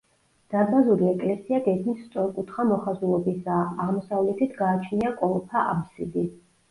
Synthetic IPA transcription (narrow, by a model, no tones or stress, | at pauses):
d̪̥ad̪bazuɾiɛkʼlɛsiaɡɛkʰmisst̪sʼɔɾkʼut̪ʰχamɔχazulˠɔbisaːaʁmɔsavlɛt̪ʰit̪ʰɡaːt͡ʃʰniakʼɔlˠɔpʰaʔa̰psid̪i